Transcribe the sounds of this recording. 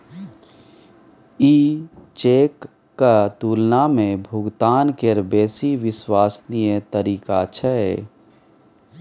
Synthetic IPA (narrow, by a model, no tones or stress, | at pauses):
iːt͡ʃeːkː | at̪uːlnamẽbʱʊɡt̪aːnkeɾbeːsiʋɪswaːsnijet̪əɾiːkat͡ʃʰɛɛː